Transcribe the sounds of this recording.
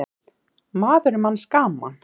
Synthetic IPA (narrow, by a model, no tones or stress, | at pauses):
maːðʏɾmanskaːmːa̰n